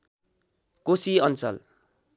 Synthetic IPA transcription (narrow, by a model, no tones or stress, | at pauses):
kosiʌnt͡sʌ̰l